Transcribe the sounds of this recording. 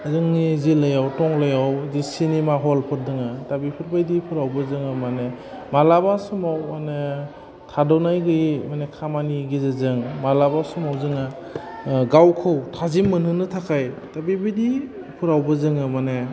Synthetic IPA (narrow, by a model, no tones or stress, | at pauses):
zɯŋnizilɯjawtɔŋlɯjawzisinemaɦɔlpʰɯɾdɯŋɯtabipʰɯɾbajdipʰɯɾawbɯzɯŋɯmane | malabasumawmane | tʰadɔwnajɡɯjmanekʰamaniɡizazɯŋmalabasumawzɯŋa | ɡawkʰɯwtʰazimːɯnɯnɯtʰakʰajtabibajdi | pʰɯɾawbɯzɯŋɯmane